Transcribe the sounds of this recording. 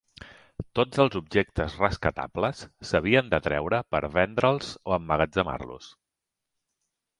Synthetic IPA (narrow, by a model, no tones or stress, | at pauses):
t̪od͡zəlˠzubʒek̚t̪əzrəskət̪a̰pləsːəβ̞iənd̪ət̪ɾɛwɾəpə̰ɾβɛnd̪ɾəlˠz̥oəmːəɣəd͡zəma̰rlṵs